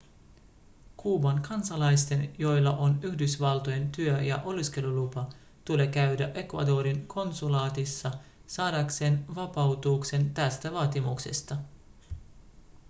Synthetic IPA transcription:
kʰuːbɑŋkɑnsɑlɑjst̪e̞njo̞jlːɑʔo̞nyçdysʋɑlt̪o̞je̞nt̪yøjɑ̰ʔo̞liske̞lulupɑ | t̪uleːkæɥdæʔe̞kʋɑ̰do̞ːɾiŋkʰo̞nsulɑːt̪isːɑ | sɑːdɑkse̞ːnʋɑpɑwt̪uːkse̞nt̪æst̪æʋɑːt̪imuksḛst̪ɑ

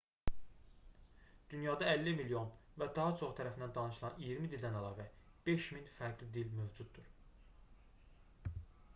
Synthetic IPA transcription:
d̪̥ynjɑːd̪ɑælːimiljo̞nvæd̪ɑɦɑt͡ʃʰo̞χt̪ʰæɾæfnd̪ænd̪ɑnɯʃɯlˠɑnijiɾmid̪ild̪ænælˠɑːvæ | b̥e̞ʃminfæɾɡlid̪ilmø̞vd͡ʒud̪̚d̪uɾ

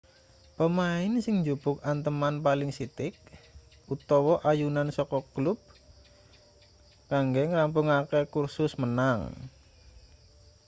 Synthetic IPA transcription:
pəmaɪnsɪŋɲd͡ʒupʊk̚ant̪əmanpalɪŋsit̪ɪk̚ | ut̪ɔwɔʔajunansɔkɔklʊb̚ | kaŋɡɛŋramp̬ʊŋakekursʊsmənaŋ

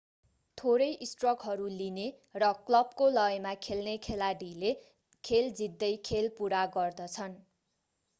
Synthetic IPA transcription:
t̪ʰoɾʌjisʈrʌkɦʌɾuline | rʌklʌb̚kolʌjmakʰelnekʰelaɽile | kʰeld͡zid̪ːʌjkʰelpuɾaɡʌrd̪ʌt͡sʰʌn

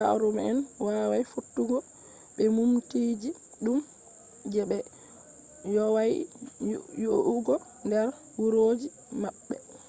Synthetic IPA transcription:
a̰ɾumɛɛnwawajfutːuɡɔ | ɓɛmumtiːd͡ʒi | ɗum | d͡ʒɛɓɛ | jɔwaj | joʔuɡɔ | ndɛɾ | wuɾoːd͡ʒi | maɓːɛ̰

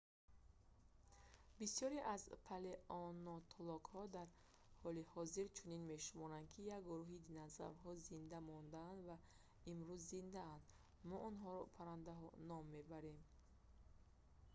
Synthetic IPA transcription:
bisjɔɾiʔazpʰaleʔɔnɔt̪ʰɔlɔkhɔd̪aɾ | hɔlihɔziɾt͡ʃʰuninme̞ʃumɔɾand̪̚kʰijaɡɡuɾuɦid̪inaza̰ɾɦɔzind̪amɔnd̪aːnd̪va | imɾuzːind̪aand̪ | mɔʔɔnɦɔɾɔpʰaɾand̪aɦɔ̰nɔmːebaɾem

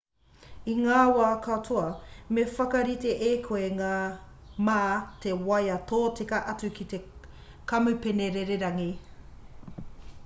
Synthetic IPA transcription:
iŋaːwaːkʰɐtʰoɐmefɐkɐɾiteʔeːkʰoeŋaːmaːtʰewɐjɐtʰoːtekɐʔɐt͡sʉkʰit̪e | kɐmʉpeneɾeɾeɾɐŋi

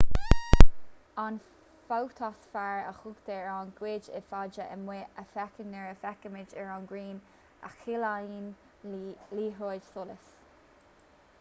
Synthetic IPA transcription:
an | fawt̪ʰɔsfaɹəxʊɡd̪ɛɹanɡ̥wɪd͡ʒɪ̰fad͡ʒəʔəmweəfɛkənːɛɹəfɛkəmɪd͡ʒɛɹanɡɹiːn | a̰xilain | liːɦod͡ʒsoləs

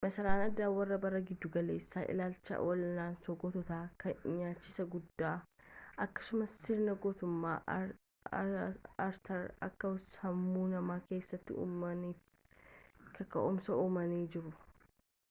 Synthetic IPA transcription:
mɐsɐɾaːnɐd̪ːaːwɐrːɐbɐrːɐɡɪd̪ːʊɡɐle̞ːsːaːʔɪ̰laːlt͡ʃːɐ̰wɐlnaːnsoɡɔt̪ɔt̪aːkɐɪɲaːt͡ʃːɪsɐɡʊd̪ːaːʔɐkːɐ̥sʊmɐsːɪɾnɐɡɔt̪ʊmːa̰ː | ɐɾt̪ʰɐɾɐ̰kːɐshɐmːuːnɐmaːke̞ːsːɐt̪ːɪ̰ | kɐkɐ̰ʊmsɐʔuːmɐniːd͡ʒɪɾʊ

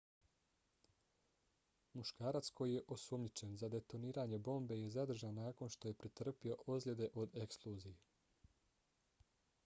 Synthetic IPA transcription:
muʃkaːɾat̪sko̞jije̞ʔo̞sumɲit͡ʃe̞nzad̪e̞t̪o̞niːɾaːɲe̞bo̞ːmbe̞je̞zad̪r̩ʒanːaːko̞nʃt̪o̞je̞pɾit̪r̩pio̞ʔozlʲe̞d̪e̞ʔo̞d̪e̞ksklˠuːzije

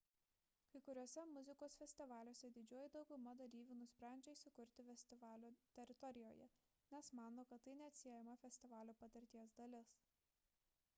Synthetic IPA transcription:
kɐɪkʊɾʲuɔsʲɛmʊzʲɪkoːsfʲɛsʲt̪ʲɪʋɑːlʲoːsʲɛd̪ʲɪd͡ʒʲuɔjɪd̪ɒʊɡʊmɐd̪ɐɾʲiːʋʲuːnʊsʲpʲɾʲæˑnʲd͡ʒʲɛɪsʲʊkʊɾʲt̪ʲɪfʲɛsʲt̪ʲɪʋɑːlʲuːt̪ʲɛɾʲɪt̪ɔɾʲɪjoːjɛ̰ | nʲɛsmɑːnoːkɐt̪ːɐɪnʲɛɐt̪ʲsʲiɛjɛmɐfʲɛsʲt̪ʲɪʋɑːlʲuːpɐt̪ʲɐɾʲt̪ʲiɛs̬d̪ɐlʲɪs

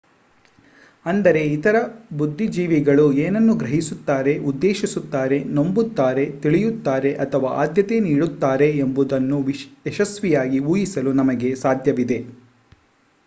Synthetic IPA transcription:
ɐnd̪ɐɾe̞it̪ɐɾɐbud̪ʱːid͡ʒiːʋiɡɐɭueːnɐnːuɡɾɐɦisut̪ːaːɾe̞ud̪ːeːʃisut̪ːaːɾe̞no̞mbut̪ːaːɾe̞t̪iɭijut̪ːaːɾe̞ʔɐt̪ʰɐʋaːʔa̰ːd̪jɐt̪e̞niːɽut̪ːaːɾe̞ːmbud̪ɐnːuʋɛʃɐsʋijaːɡiuːjisɐlunɐmɐɡe̞saːd̪ʱjɐʋid̪e̞

